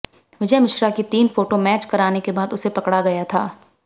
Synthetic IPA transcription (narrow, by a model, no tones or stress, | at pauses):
ʋɪd͡ʒɛmɪʃɾakit̪iːnfoːʈomɛːt͡ʃkɐɾaːnekebaːd̪ʊsepɐkɽaɡɐjat̪ʰaː